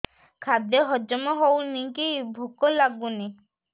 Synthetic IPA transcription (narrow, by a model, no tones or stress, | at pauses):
kʰad̪jɔɦɔd͡ʒɔmɔɦownikibʱukɔlaɡuni